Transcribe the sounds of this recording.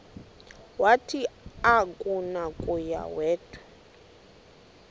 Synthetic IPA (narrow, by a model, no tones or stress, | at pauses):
watʰiakʼunakʼuja̰wɛːdʰʼu̥